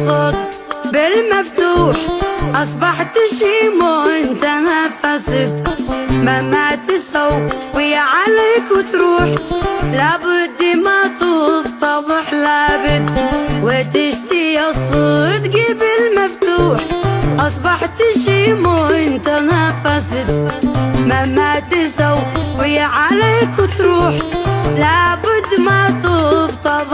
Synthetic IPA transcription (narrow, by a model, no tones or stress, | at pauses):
sˤot̪ | bɪlmaft̪uːħʔɑsˤbɑħt̪ɪʃimoʔɪnt̪anafasɪt̪mamaʕt̪ɪsawwɪjaʕalakwɪt̪ɾuːħlabʊd̪ːimat̪ˤut̪ˤːɑbɨħlabɪt̪wet̪ɪʃt̪ijasˤːut̪ɡɪbɪlmaft̪uːħʔɑsˤbɑħt̪ɪʃimuʔɪnt̪anafast̪mamat̪ɪsawwɪjːaʕaleːkwɪt̪ɾuːħlabʊd̪ːmat̪ubt̪ˤɑbˤ